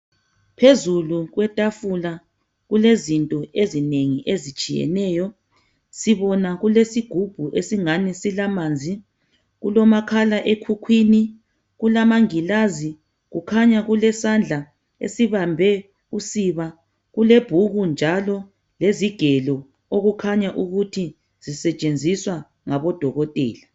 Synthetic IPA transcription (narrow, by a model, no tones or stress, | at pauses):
pʰezuluɣwɛtʼafula | ɣulezintʼɔezineŋiʔezit͡ʃʼijɛ̰nɛːjɔ | siβɔnaɣulesiɡ̥ʱub̥ʱuʔesiŋanɛsilamaːnd͡zʱi | ɣulɔmakʰalaʔekʰukʰwini | ɣulamaŋilazi | ɣukʰaɲaɣulɛsand͡ɮʱa | ḛsiβambʱɛ | usiβa | ɣuleb̥ʱuɣund͡ʒʱalɔ | leziɡ̥ʱɛlɔ | oɣukʰaɲaʔuɣutʰi | z̥isɛt͡ʃʼend͡zʱiswa | ŋaβɔd̥ʱɔɣɔtʼɛːla